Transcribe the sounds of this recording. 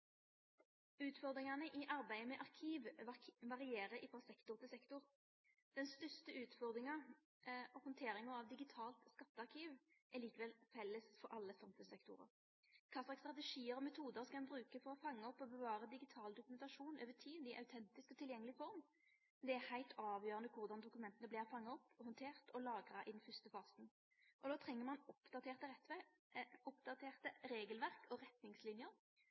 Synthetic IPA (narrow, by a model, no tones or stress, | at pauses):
ʉːt̪fɔʁd̪ɾɪŋɑnəʔɪʔɑɾbæɪəmɛʔɑʁkʰiːʋʋɑʁɪeːɾəɾɪfɾɑsɛkt̪ʊʁt̪ʰɪlsɛkt̪ʊɾ | d̪̥ɛnst̪œst̪əʉːt̪fɔʁd̪ɾɪŋɑ | ɔhɔnt̪ʰeːɾɪŋəɾɑʋd̪ɪɡɪt̪ʰɑːlt̪skɑt̪ːəɑʁkʰiːʋʔæliːkəʋɛlfɛlːəsfɔɾʔɑlːəsɑmfʉsɛkt̪ʊ̰ɾə̰ɾ | kʰɑːslɑːkst̪ɾɑt̪ɛʂiːəɾɔmɛt̪ʰuːd̪əʁskɑɛnbʁʉːkəfɔʁɔfɑŋːəɔpːɔbəʋɑːɾəd̪ɪɡɪt̪ʰɑːld̪ʊkʉmɛnt̪ɑʂuːnøːʋət̪ʰiːd̪ɪʔɑ̰ʉt̪ʰɛnt̪ɪskɔt̪ʰɪljɛŋːəlɪfɔʁm | d̪ɛæhæɪlt̪ʰɑːʋjøːʁənəkʰʊʁd̪ɑnd̪ʊkʉmɛnt̪ənəblɪːʁfɑŋːəɔpːhɔnt̪ʰeːʁt̪ʰɔlɑːɡʁɑʔɪd̪ɛnfʏst̪əfɑːsn | ʔɔd̪oːt̪ʰʁɛŋːəʁmɑnɔpd̪ɑt̪eːʁt̪əɛ | ʊpd̪ɑt̪ʰeːʁt̪əɾeːɡəlʋæʁkʰɔʁɛt̪nɪŋslɪnjəɾ